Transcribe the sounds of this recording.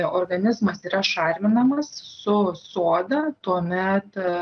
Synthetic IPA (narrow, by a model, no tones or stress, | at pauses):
oːrɡɐnʲɪzmɐsiːɾɐʃɑːɾʲmʲɪnɐmɐssʊsuːd̪ɐt̪uɔmʲɛt̪